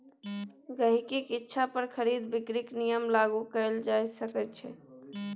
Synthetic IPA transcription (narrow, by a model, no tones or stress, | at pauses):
ɡəɦikekɪtːʃʰapəɾkʰəɾid̪bɪkɾiknijəmlaɡukəld͡ʒajsəkɛt̪t͡ʃʰɛ